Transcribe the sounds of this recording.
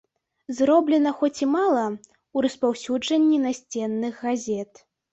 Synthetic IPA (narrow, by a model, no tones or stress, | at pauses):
zrɔblʲɛnɐxɔt͡sʲimalˠɐ | uɾɐspawsʲud͡ʐɐnʲːinasʲt͡sʲɛnːɨɣɣazʲɛt̪